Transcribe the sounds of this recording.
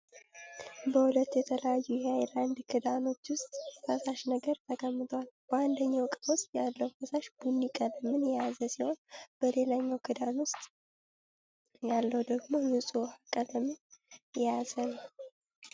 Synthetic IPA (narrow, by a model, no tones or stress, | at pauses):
bəhulət̪ːjɛt̪ʰələjajːujeajland̪kʰɨd̪ano̞t͡ʃːwʊst̪ʼfəsaʃnəɡəɾt̪ʰəkʼəmːɨt̪ʰwalb̥əand̪əɲːawkʼəʊst̪ʼjalːəwfəsaʃbunːikʼələmːɨnjɛjazəsiho̞nb̥əle̞laɲːawkʰɨd̪anwʊst̪ʼ | jalːəwd̪əɡmo̞mɨnsʼuhakʼːələmːɨjɛjazənəw